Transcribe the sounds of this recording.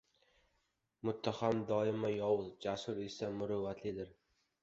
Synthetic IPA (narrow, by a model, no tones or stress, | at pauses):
mʊt̪ʰːahamd̪ɒɪmajɒwzd͡ʒasʊɾesamʊɾʊvat̪ʰlɪd̪ɪɾ